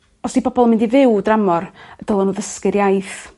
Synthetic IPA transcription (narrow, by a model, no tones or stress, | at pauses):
ɔsd̥ibɔbɔlˠəmɪndivɪwdramɔrəd̥əlˠɔnuðəskɨɾjajθ